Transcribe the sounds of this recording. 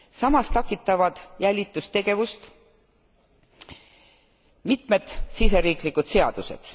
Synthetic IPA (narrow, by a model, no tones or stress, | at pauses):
sɑmɑst̪ɑkːit̪ːˑɑvɑd̪̥jælʲit̪ːˑust̪e̞ɡe̞vust̪ | mit̪me̞d̪̥sis̬e̞ɾiːklikud̪̥se̞ɑ̰d̪̥use̞̰d̪̥